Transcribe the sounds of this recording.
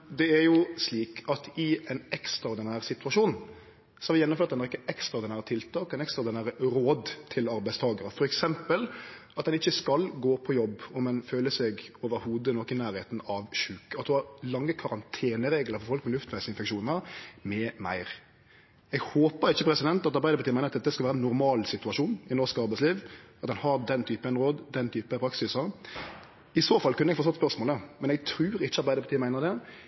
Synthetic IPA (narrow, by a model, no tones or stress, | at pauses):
d̪ɛæɾjʊsliːkʰɑt̪ɪɛnɛkst̪ɾɑd̪ɪnæːɾsɪt̪ʉɑʂuːnn̩ | sɔhɑɾʋɪjɛnːʊmføːt̪d̪ɛnːɑɾɪkːəɛkst̪ɾɑd̪ɪnæːɾət̪ʰɪlt̪ʰɑːkːɛɪnɛkst̪ɾɑd̪ɪnæːɾəɾoːd̪t̪ʰɪlɑɾbæɪst̪ʰɑːɡəɾəfɔɾɛksɛmpəlɑt̪̚d̪ɛnɪçːəskɑlɡoːpʰɔjɔbːɔmɛnføːləsɛɡoːʋəɾhuːd̪ənɔkːɪnæːɾheːt̪nɑʋʃʉːkəɑt̪̚d̪ɛhɑɾlɑŋːəkʰɑɾɑnt̪ʰeːnəɾeːɡləɾfɔɾfɔlkmɛlʉft̪ʰʋæɪsəɪnfɛkʃuːnnəʁmɛmæ̰ɪɾ | ɛɡhoːpəɾɪçːəpʰɾɛsɪd̪ɛnt̪ɑt̪ɑɾbæɪd̪əpɑt̪iːmæɪnɾɑt̪ɛt̪ːəskɑʋæːəɛnːʊɾmɑːlsɪt̪ʉɑʃuːnɪnɔʁskɑʁbæɪsliːʋʔɑt̪ɑnhɑd̪ɛnt̪ʰyːpəɛnʁoːd̪d̪ɛnt̪ʰyːpəpʰɾɑksɪsəʁ | ɪsoːfɑlkʰʉnːəɛɡfoɔst̪ɔt̪ːspœʁsmoːləmɛnɛɡt̪ʰɾʉːɾɪçːəɑɾbæɪd̪əpʰɑt̪iːmæɪnəɾd̪ɛ